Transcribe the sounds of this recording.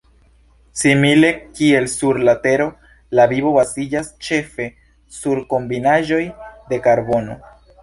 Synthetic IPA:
simile̞kie̞lsuɾlate̞ɾo̞ | labiβo̞basid͡ʒast͡ʃe̞fe̞ | suɾko̞mbinaʒo̞jde̞kaɾbo̞no̞̰

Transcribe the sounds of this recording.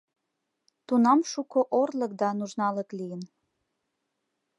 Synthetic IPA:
t̪unɑmʃukoʔorlə̆k̚d̪ɑnuʒnɑlə̆klijən

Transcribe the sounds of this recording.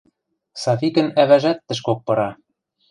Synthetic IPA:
sɑfikɘ̆næβæʒæt̪ːɘ̆ʃ̬kok̚pɤ̆ɾɑ

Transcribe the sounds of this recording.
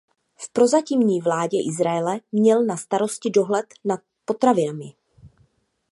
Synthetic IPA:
fpɾo̞zacimɲiːvlaːɟɛʔɪzɾajɛlɛmɲɛlnast̪aɾo̞scɪdo̞ɦlɛt̪nat̪̚po̞t̪ɾavɪnamɪ

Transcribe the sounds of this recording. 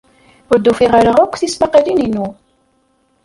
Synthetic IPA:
wəɾd̪ːufiʁaɾəʁækʷːθismaqəlininu

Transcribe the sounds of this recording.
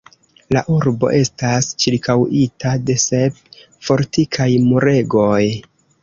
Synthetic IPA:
laʔuɾbo̞̰ʔe̞stast͡ʃiɾkʰawʔitade̞se̞p̚ | fo̞ɾtikʰajmuɾe̞ɡo̞j

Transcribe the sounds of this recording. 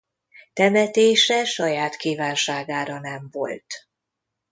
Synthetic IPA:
t̪ɛmɛt̪eːʃɛʃɒjaːt̪kiːvaːnʃaːɡaːɾɒnɛɱvo̞̰lt̪

